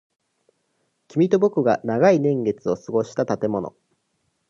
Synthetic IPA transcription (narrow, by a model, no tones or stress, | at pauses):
kʲimʲit̪o̞bokɯ̟ɡanaɡainẽ̞ŋɡe̞t͡sɨo̞sɨɡo̞ɕi̥t̪at̪at̪e̞mo̞no̞̰